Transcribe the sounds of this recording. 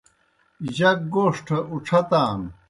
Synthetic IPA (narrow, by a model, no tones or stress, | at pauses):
ʑɐk̚ɡoːʂʈʰɐʔuʈ͡ʂʰɐt̪aːn